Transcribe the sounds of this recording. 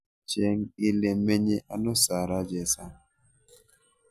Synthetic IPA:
t͡ʃɛ˦ŋi˦le˨me˦ɲe˦ʔa˨nɔ˦sa˨ɾa˦d͡ʒɛ˨sa˦

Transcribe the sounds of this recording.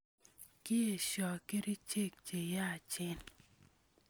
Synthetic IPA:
ki˦e˨ʃɔ˨ke˦ɾi˦t͡ʃe˦˨k̚t͡ʃe˨ja˦˨t͡ʃɪ˦n

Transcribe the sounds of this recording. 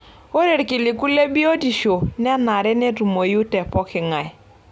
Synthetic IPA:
o˦ɾe˨ɾkɪ˨lɪ˨ku˦le˦bi˦o˦di˨ʃo˨n˦a˦na˨ɾɛ˦ne˦tu˨mo˨ju˦tɛ˨pɔ˦kɪ˨ŋa˨j

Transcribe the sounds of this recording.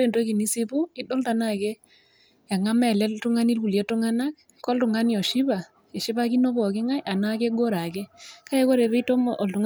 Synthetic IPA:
e˦˨ndo˦ki˨ni˦si˦pu˦ɪ˦ɗɔ˦lta˨na˨ke˦ | ja˨ŋa˦mɛ˨lɛ˦ltu˦ŋa˦ni˦lu˨lje˦tʊ˦ŋa˦na˦k | kɔ˦ltʊ˨ŋa˦ni˦ɔ˨ʃi˦βa˨ | e˨ʃi˦βa˦ki˦no˦bɔ˨ke˦ŋa˦jʔa˨na˦ke˦ɡo˦ɾa˨ke˦ka˦e˦ko˦ɾe˨βe˦to˦mʔɔ˨ltʊ˨ŋ

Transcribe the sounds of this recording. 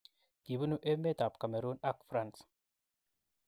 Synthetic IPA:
ɡ̥i˨bu˦nu˦ʔe˦mːe˦t̪a˨pka˨me˨ɾuː˦na˦˨kfɾa˦˨ns

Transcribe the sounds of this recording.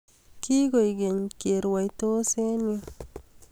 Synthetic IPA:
ki˦ɡo˨jɡe˨ɲke˨ɾwa˨jt̪o˦se˦njo

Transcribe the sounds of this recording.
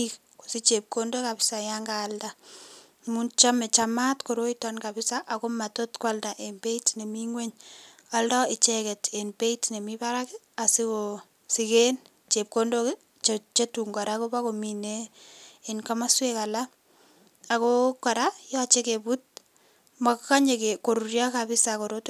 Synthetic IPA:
ik | ko̥˨sɪ˦t͡ʃe˨p̚ko˦ndo˦ka˨bɪ˦sa˨jaŋɡaːlda | mu˦nt͡ʃa˦mɛ˨t͡ʃama˦tko˨ɾo˦itanka˨bɪ˦sa˦ʔako˦ma˨to˦tkwalda˨ʔe˨nbe˦itne˨miŋwe˦ɲaldɔ˦ɪ˨t͡ʃekɛ˨te˨nbe˦itne˨miba˦ɾakɪ | a˨sɪ˦ko | sɪken | t͡ʃe˨p̚kondok | t͡ʃet͡ʃe˦tuŋɡa˨ɾako˦ba˦komineː | nka˦ma˦sweka˨la˦ | a˨koka˨ɾajɔt͡ʃe˦ke˨but̚ | makka˦ɲe˨keko˨ɾu˨ɾja˦kabɪ˦sako˨ɾot

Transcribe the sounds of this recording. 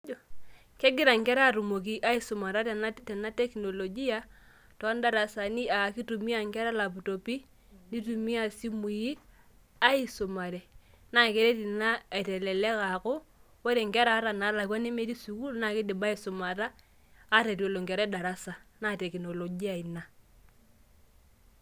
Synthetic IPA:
kɛ˦ɡɪ˦ɾa˨ŋɡɛ˦ɾa˦˨ɾu˨mo˨k̬i˦ʔa˦i˦sʊ˨ma˨ɾa˦tɛ˨na˦tɛ˨na˦tɛ˦kinɔ˨lɔ˨ɡi˦a˦ | tɔ˨˦nda˦ɾa˨sa˨ni˦a˨ki˦tu˨mi˦a˨ŋɡɛ˦ɾa˦la˨pu˨to˨pi˦ | ni˦tu˨mi˦a˦˨si˦mu˨ji˦ | a˦i˦sʊ˨ma˨ɾɛ˨ | na˨ke˦ɾe˦ti˨na˦ɛ˨tɛ˨lɛ˨lɛ˦ka˨kʊ˦ | wo˦ɾe˨ŋɡɛ˦ɾa˨˦ɾa˨na˨˦la˨kwa˦ne˦me˦ɾi˦su˨ku˦lna˨kɪ˦dɪ˨ba˦i˨˦sʊ˨ma˨ɾaː˦ | ta˨ti˨lo˨ŋɡɛ˨ɾɛ˦da˨ɾa˦sa˨na˦tɛ˨ki˨nɔ˨lɔ˨ɡi˦a˨i˨na˨

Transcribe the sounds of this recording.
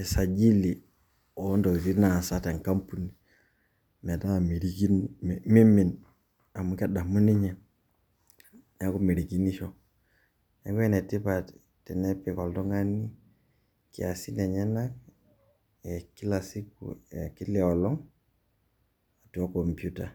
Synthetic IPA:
ɛ˨sa˨d͡ʒi˦li˨ | o˨˦ndo˨zi˦na˨sa˦te˨ŋka˦mpu˦ni˨ | mɛ˨ta˦mi˨ɾi˦ɡi˦mi˦mi˨n | a˨mu˨kɛ˦ɗa˨mu˦ni˦ɲɛ˨ | ne˨ku˦mi˨ɾi˨ɡi˦ni˦ʃɔ˦ | ne˨˦ke˦nɛ˨ti˦pa˨t | tɛ˨nɛ˦pi˨kɔ˨ldɔ˦ŋa˦ni˦ | ki˨a˨si˦nɛ˨ɲɛ˦na˦k̚ | ɛ˨ki˦la˨si˦kṵ˨e˨ki˦lɛ˨ɔ˨lɔ˦ŋ | a˨tu˨o˦ko˨mpju˦ta˨

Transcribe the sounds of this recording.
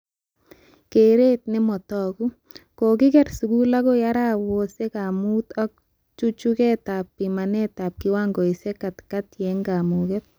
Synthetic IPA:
ke˨ɾe˦t̪̚nɪ˦mɔ˨tɔku˦ | ko˨kɪ˦kɛ˦rsu˨ku˦la˦kɔ˦jaɾawo˨se˦ka˨mu˦t̪ɔ˦k̚ | t͡ʃu˦t͡ʃukɛ˦ta˨pːima˨nɛ˦ta˨p̚kɪ˦waŋɡo˨i˨se˦katkatjɛŋɡa˨mukɛt̪̚

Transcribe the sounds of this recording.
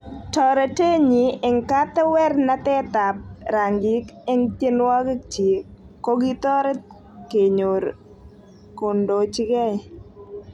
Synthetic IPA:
tɔ˨ɾe˨te˦ɲi˨ɪ˨ŋka˦t̪ɛ˦wɛ˦rna˦t̪ɛ˦t̪a˨p̚ɾa˨ŋɡɪ˦kɛ˦ŋtje˦nwa˦kɪ˦k̚t͡ʃi˨ | kːo˦ɡi˦t̪ɔ˦ɾɛ˦ | ke˨ɲo˨ɾ | ko˨ndo˨t͡ʃɪ˦kɛ˦

